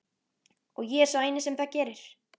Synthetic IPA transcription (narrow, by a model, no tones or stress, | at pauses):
ɔɣjɛɛɾsɔeːjnɪsɛmθacɛːɾɪɾ̥